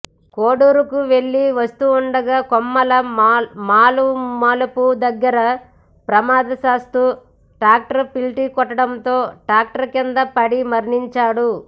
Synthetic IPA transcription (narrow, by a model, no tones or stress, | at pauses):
koːɽuːɾukuʋe̞ɭːiʋɐst̪uːɳɖɐɡaːkɔmːɐlɐmaːlumɐlupud̪ɐɡːɐɾɐ | pɾɐmaːd̪ɐsaːst̪u | ʈɾaːk̚ʈɐɾpilʈikɔʈːɐɽɐnt̪o̞ːʈɾaːk̚ʈɐɾkind̪ɐpɐɽimɐɾɳiɲt͡ʃaːɽu